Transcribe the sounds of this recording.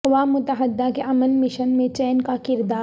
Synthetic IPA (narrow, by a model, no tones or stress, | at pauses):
ʋaːmːʊt̪əɦəd̪ːakeʔɐmənmɪʃənmẽt͡ʃɛːnkakɪɾd̪aː